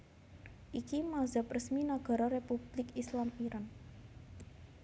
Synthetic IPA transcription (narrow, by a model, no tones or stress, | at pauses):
ʔikimazaprəsminaɡ̥a̤ɾɔɾepub̥lɪkislampiɾʔan